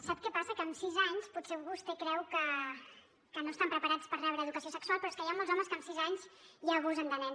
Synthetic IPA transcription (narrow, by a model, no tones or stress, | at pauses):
sap̚kɛpasəkəːmsizaɲsputseβust̪ekɾɛwkə | kənost̪ampɾəpəɾat͡spərrɛβɾəːðukəsiosəksualˠpɾɔeskəjamolˠzɔməskəmsizaɲzjaːɣuzənd̪ənɛn